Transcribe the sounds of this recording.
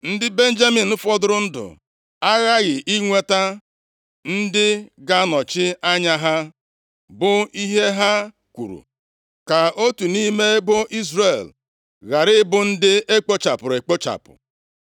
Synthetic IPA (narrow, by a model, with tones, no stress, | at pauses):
n̩˦dɪ˦be˦n̩˦d͡ʒa˦mi˨n̩˦fɔ˦dʊ˦ɾʊ˦n̩˦dʊ̰˨ | a˦ɣa˦ɣɪ˨ʔi˦ŋʷe˦ta˦ | n̩˦dɪ˦ɡa˦nɔ˨t͡ʃɪ˦a˦ɲa˦ɦa˦ | bʊ˨i˦ɦe˦ɦa˦ | kʷṵ˨ɾṵ˨ | ka˨o˦tu˨ni˦me˦bʊ˦ʔi˦zre˨l | ɣa˨ɾɪ˦bʊ˨n̩˦dɪ˦e˦k͡po˦t͡ʃa˨pʊ˨ɾe˨k͡po˦t͡ʃa̰˨pʊ̰˨